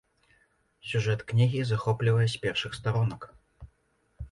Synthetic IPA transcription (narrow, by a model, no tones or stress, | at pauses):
sʲuʐɛt̪knʲiɣʲizaxɔplʲivɐjɛsʲpʲɛrʂɨxst̪aɾɔnɐk